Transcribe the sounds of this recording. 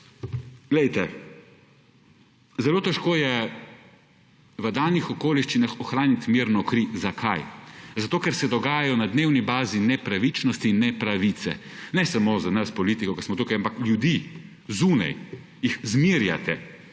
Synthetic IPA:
ɡ̥lɛjt̪ɛ | zɛloːt̪ɛʃkoːjɛ | ʋəd̪aːlnixɔkoːliʃt͡ʃinaxɔxɾaːnit̪miːɾnɔkɾizakʰajzat̪oːkɛɾsɛd̪ɔɡaːjajɔnad̪neːwnibaːzinɛpɾaʋit͡ʃnɔst̪iːnːɛpɾaʋit̪sɛ̰ | nɛsamozanaspɔlit̪ikɔkɛsmɔt̪uːkajampakljud̪i | zuːna̰j | jixzmiɾja̰t̪ɛ

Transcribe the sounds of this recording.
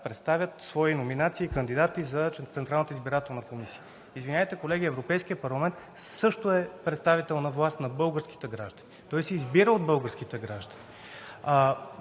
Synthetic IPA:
pɾɛt̪st̪avʲjət̪svɔinominat̪siːkənd̪id̪at̪izɐt̪sɛnt̪ɾalˠnət̪izbiɾat̪ɛlˠnɐkomisi̥ə | izvinʲaət̪ɛkolɛɡʲiɛvɾopɛjsk̟ijəpɐɾlˠɐmɛnt̪ | sɤʃt̪oɛpɾɛt̪st̪avit̪ɛlˠnɐvlˠast̪nɐbɤlˠɡəɾski̥t̪ɛɡɾa̰ʒd̪ənʲit̪ɔisɛizbiɾəod̪̚bɤlˠɡəɾsk̟it̪ɛɡɾaʒd̪əni

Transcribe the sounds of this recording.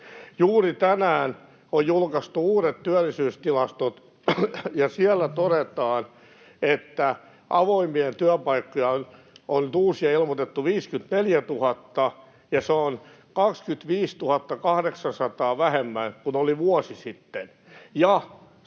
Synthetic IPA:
juːrit̪ænæːn | ojjulkɑst̪uuːɾet̪t̪yælːˑisyːst̪ilɑst̪ot̪ | jɑsiɛlːæt̪oɾet̪ɑːn | et̪ːæ | ʔɑʋoimːient̪yæpɑikːojɑon | onyt̪uːsiɑilmot̪et̪ːuʋiːskynt̪neljæt̪uhɑt̪ːɑ | jɑseon | kɑkskyt̪ʋiːst̪uhɑt̪ːɑkɑhdeksɑnsɑt̪ɑːʋæhemːæŋkunoliʋuɔsisit̪ːen | jɑ

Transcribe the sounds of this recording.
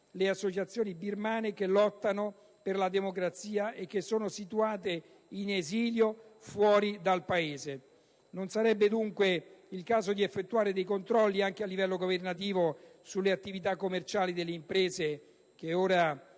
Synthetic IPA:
leasːot͡ʃat̪sːjoːnibirmaːnekelɔt̪ːano | perlad̪emokɾat̪siːaʔek̟ːesːoːnosit̪uaːt̪e | ineziːljofwɔːɾid̪alpaeːze | nonsaɾɛbːed̪uŋkweilkaːzod̪iefːet̪ːuaːɾed̪ejkont̪ɾɔlːiaŋk̟ealːivɛlːoɡovernat̪̬iːvosulːeat̪ːivit̪akːomːert͡ʃaːlid̪elːeimpɾeːze | keoːɾa

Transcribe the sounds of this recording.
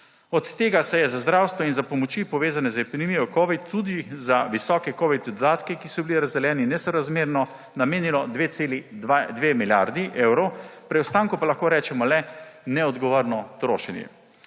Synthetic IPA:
ɔt̪t̪ːeːɡasɛjɛzazd̪ɾaːwst̪ʋɔinzapɔmɔt͡ʃipɔʋeːzanɛzɛpinɛmijɔkɔːʋit̪ʰːud̪izaʋisɔːkɛkɔʋit̪d̪ɔd̪aːt̪kɛkisɔbiliɾazd̪ɛljɛːninɛsɔɾazmeːɾnɔ | nameːnilɔd̪ʋeːt̪seːliad̪ʋeːmilja̰ɾd̪iʔewɾɔwpɾiɔwst̪aːŋkupalaxkoːɾɛːt͡ʃɛmɔlɛnɛɔd̪ɡɔʋoɾnɔt̪ɾo̰ːʃɛnjɛ̰

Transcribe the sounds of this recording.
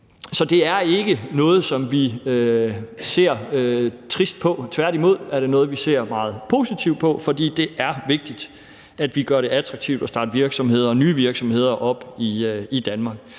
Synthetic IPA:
sɒ̽d̥e̝æɐe̝ɡ̥ənɔ̽ːð̞̩ˠsɒ̽mʋiøse̝̰ɐ̰øt͡sʰʁisd̥̚pʰɒ̽t͡sʰʋæɐdimo̝ð̞̰ˠæɐɾ̥e̝nɔ̽ːð̞̩ˠʋise̝ɐ̰mɑ̈ːð̞̩ˠpʰo̝sit͡sʰiʊd̥̚pʰɒ̽fɒ̽d̥ḭːd̥e̝ʔæɐʋe̝ɡ̥̚d̥id̥ | æd̥ʋiɡ̥ɶɐɾ̥e̝æt͡sʰʁɑɡ̥̚t͡sʰiʊd̥ɒ̽sd̥ɑ̈ːd̥ʋiɐɡ̥sɒ̽mhe̝ð̰ˠɐnyːʋiɐɡ̥sɒ̽mhe̝ð̰ˠɐʔɒ̽b̥iid̥ænmɑ̈ɡ̥̚

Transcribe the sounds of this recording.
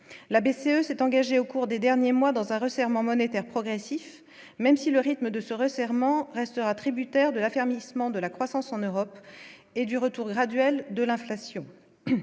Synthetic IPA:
labeseøsɛt̪ɑ̃ɡaʒeokuʁd̪ed̪ɛʁnjemwad̪ɑ̃zɛ̃ʁəsɛʁmɑ̃mɔnet̪ɛʁpχɔɡʁesif | mɛmsiləʁit̪məd̪əsəʁəsɛʁmɑ̃ʁɛst̪əʁat̪χibyt̪ɛʁd̪əlafɛʁmismɑ̃d̪əlakχwasɑ̃sɑ̃nøʁɔped̪yʁət̪uʁɡʁad̪ɥɛld̪əlɛ̃flasjɔ̃

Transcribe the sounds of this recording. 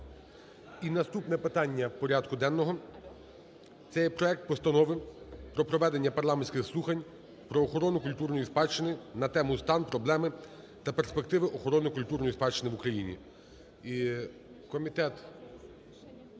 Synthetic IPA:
inɐst̪upnɛpɪt̪ɑnʲːɐpɔɾʲɑd̪kʊd̪ɛnːɔɦɔ | t̪sɛjɛpɾɔɛk̚t̪̚pɔst̪ɐnɔʋɪpɾɔpɾɔʋɛd̪enʲːɐpɐɾlˠɑmenʲsʲkʲɪxslˠuxɐnʲ | pɾɔːxɔɾɔnʊkʊlʲt̪urnɔjispɑt͡ʃːɪnɪnɐt̪ɛmʊst̪ɑnpɾɔblˠɛmɪ | t̪ɐperspek̚t̪ɪʋɪʔɔxɔɾɔnɪkʊlʲt̪urnɔjispɑt͡ʃːɪnɪʋʊkɾɐjinʲḭ | i | kɔmʲit̪ɛt̪

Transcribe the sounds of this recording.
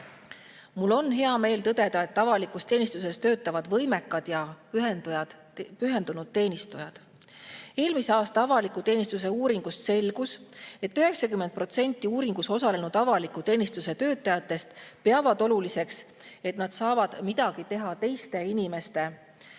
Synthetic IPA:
mulːo̞nɦe̞ɑme̞ːlt̪ɤd̪̥e̞d̪ɑe̞t̪ːɑvɑlikˑust̪e̞ːnist̪use̞st̪ø̞ːt̪ːˑɑvɑd̪vɤjme̞kːˑɑd̪̥jɑjɑd̪̥ | pyɦe̞nd̪unud̪̥̚t̪e̞ːnist̪ujɑd̪̥ | e̞ːlmise̞ɑːst̪ɑɑvɑlikut̪e̞ːnist̪us̬e̞uːɾiŋɡ̥ust̪se̞lɡ̥use̞t̪ːyɦe̞ksɑkymend̪̚pro̞t̪se̞nʲt̪ˑːiuːɾiŋɡ̥uso̞sɑle̞nud̪̥ɑvɑlikˑut̪e̞ːnist̪use̞t̪ø̞ːt̪ːˑɑjɑt̪ːˑe̞st̪peɑvɑd̪̥o̞lulise̞ks | e̞t̪nɑd̪̥sɑːvɑd̪̥mid̪̥ɑɡ̥it̪e̞ɦɑt̪e̞jst̪e̞inime̞st̪e̞

